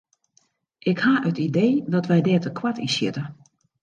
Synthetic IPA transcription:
ʔɪkhaːʔətideːdɔtʋɛjdɛːtəkʰwatisjɪ̰tə

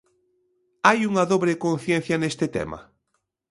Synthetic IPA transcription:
ajuŋɐðoβɾekõnθjen̟θjɐnest̪ɪt̪ɛ̰mɐ̰

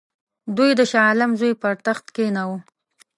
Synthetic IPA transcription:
d̪ujd̪əʃɑlɪmzojpaɾt̪axt̪kenawu

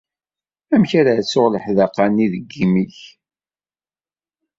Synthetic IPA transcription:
æmçaɾasoʁləħðəqːɑniðəɡːimiç

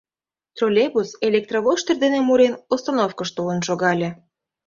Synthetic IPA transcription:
t̪rolʲebuselʲek̚t̪roβoʃt̪erd̪enemuɾenost̪anofkəʃt̪olə̆nʃoɣɑlʲĕ

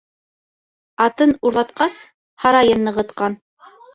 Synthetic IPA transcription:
ɑt̪ɤnuɾlˠɑt̪̚qɑs | hɑɾɑjɤnːɤ̆ʁɤ̆t̪qɑn

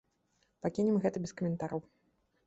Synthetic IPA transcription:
pakʲinʲɛmɣɛt̪ɐbʲɛskɐmʲɛnt̪aɾɐw

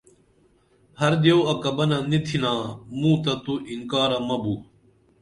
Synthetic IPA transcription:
hɐɾd̪jewɐkɐbɐnanit̪ʰinãːmũːt̪ɐt̪uʔiŋkaːɾamɐbuː

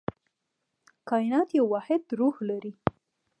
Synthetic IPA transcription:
kɑjɪnɑt̪jawɑhɪd̪ɾuhlaɾi

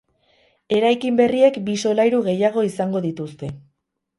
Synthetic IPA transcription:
e̞ɾajkimbe̞rie̞kbiso̞lajɾuɣe̞jaɣ̞o̞isaŋɡo̞ðit̪ust̪e̞

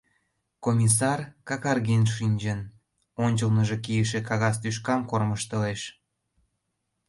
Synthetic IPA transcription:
komʲis̬ɑrkɑkɑrɣenʃinʲt͡ɕən | onʲt͡ɕəlnəʒekijəʃekɑɣɑst̪yʃ̬kɑmkorməʃt̪əleʃ

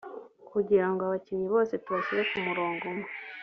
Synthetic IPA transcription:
kuɟiɾaŋɡoaβaciβiβo̞ːse̞tuβaciɾekumuɾo̞ːŋɡome

